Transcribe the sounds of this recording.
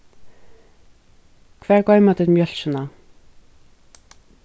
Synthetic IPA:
kʰv̥ɛːɹkɔːɥmat̪ɪt̪mjœl̥sʏna

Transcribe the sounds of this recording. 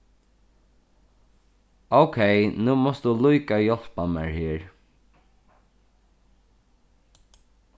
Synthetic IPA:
oʊkʰeɪnuːmɔst̪d̪uluɪkajɔl̥pamɛ̰ɹhɪːɹ

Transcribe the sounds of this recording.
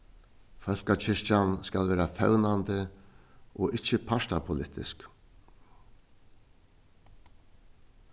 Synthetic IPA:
fœl̥kat͡ɕʰɪʂcanskalvɛːɾafɛ̰wnant̪ɪ | ɔɪt͡ʃːɪpʰaʂt̪apʰʊlɪht̪ɪ̰sk

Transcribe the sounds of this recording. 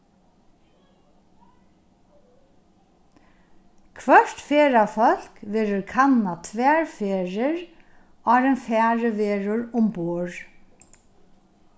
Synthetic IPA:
kʰʋœɹt̪feːɹafœl̥kʋeːɾʊɹkʰanːat̪ʰʋɛːɹfeːɹɪɹ | aːɾɛnfæːɹəʋeːɹʊɹʊmbuːɹ

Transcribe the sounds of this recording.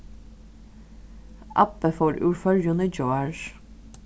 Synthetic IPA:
ʔɑ̰pəfɔɾʉ̰ːɹfœljʊnəd͡ʒoːɑɹ

